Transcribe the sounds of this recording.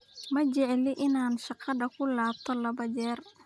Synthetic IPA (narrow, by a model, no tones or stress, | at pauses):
mɐt͡ʃɛʕɛlɪʔɪnaːnʃɑqɑd̪ɐkʰʊlaːb̚t̪ʰɔlɐbɐt͡ʃɛːr